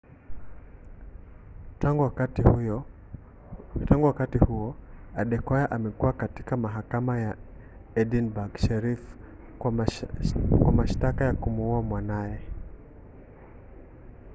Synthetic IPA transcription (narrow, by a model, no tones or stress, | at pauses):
aɡat | taŋɡuwakatihuɔaɗɛkɔjaʔamɛkuwakati̥kamaɦakamaja | ɛɗinbaɡʃɛɾif | kwamaʃtakajakumuuamwanaɛ